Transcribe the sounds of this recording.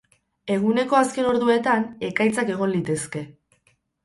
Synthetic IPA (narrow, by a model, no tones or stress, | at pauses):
e̞ɣ̞une̞ko̞aske̞no̞ɾðue̞t̪ane̞kajt͡sake̞ɣ̞o̞nlit̪e̞ske̞